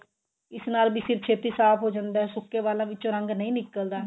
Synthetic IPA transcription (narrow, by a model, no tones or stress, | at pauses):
ɪsnaːlbiːsɪɾpʰt͡ʃʰeːt̪iːsaːpʰɦoːd͡ʒãːnd̪aːɦɛːsʊkːeːʋaːlãːʋɪt͡ʃõːɾəŋɡnəĩːnɪkːəld̪aː